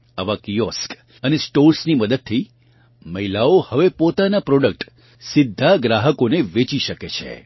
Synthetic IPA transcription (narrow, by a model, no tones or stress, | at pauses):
aʋakijɔsk | ənesʈoɾsniməd̪əd̪̚t̪ʰi | məilaohəʋepot̪anapɾɔɖək̚ʈ | sɪd̪ʱːaɡɾaɦəkoneʋet͡ʃiʃəket͡ʃʰḛ